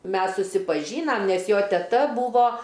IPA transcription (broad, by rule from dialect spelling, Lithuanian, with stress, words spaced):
ˈmʲɛs sʊsʲɪpɐˈʒʲiːnɐm ˈnʲɛs ˈjoː tʲɛˈtɐ ˈbuːʋoː